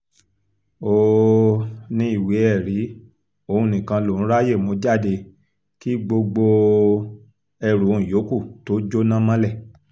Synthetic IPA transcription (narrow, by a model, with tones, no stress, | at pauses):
o˦˨ | nĩ˦i˦˨wi˨˦ɛ˦˨ɾi˨˦ | o˧ũ˧˨nĩ˨kã˧lo˨ũ˦ɾa˦je˦˨mõ˧˦d͡ʒa˦˨de˧ | ki˦ɡ͡bo˧ɡ͡bo˧ | ɛ˧ɾu˨˦˨ũ˨jo˨˦ku˦˨to˨˦d͡ʒo˦nã˦mã˦lɛ˦˨